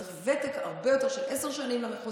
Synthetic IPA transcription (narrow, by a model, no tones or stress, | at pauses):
levɛt̪ekaʁbejot̪eʁʃelʔɛseʁʃanimlameχu